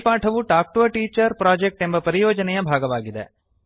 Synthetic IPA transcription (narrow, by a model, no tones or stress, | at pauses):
paːʈʰɐʋuʈaːk̚ʈuʋɐʈiːt͡ʃɐɾpɾaːd͡ʒek̚ʈembɐpɐɾijoːd͡ʒɐnejɐbʱaːɡɐʋaːɡid̪ḛ